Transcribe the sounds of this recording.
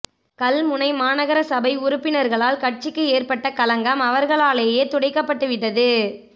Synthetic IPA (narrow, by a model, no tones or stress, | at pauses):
kɐlmʊnɐɪmaːnɐɣɐɾɐsɐbɐɪʊɾʊpːɪnɐɾɣɐɭaːlkɐʈ̚t͡ʃɪkːɯeːrpɐʈːɐkɐlɐŋɡɐmɐʋɐɾɣɐɭaːɭeːjeːt̪ʊɽɐɪkːɐpːɐʈːɯʋɪʈːɐðɯ